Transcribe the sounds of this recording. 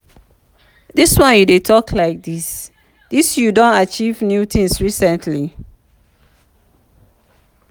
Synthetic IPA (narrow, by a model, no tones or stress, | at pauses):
diswɔ̃njudetʰɔkʰlaɪk̚dis | d̥isjudõntat͡ʃivnjutʰĩŋsɹisɛ̃ntʰli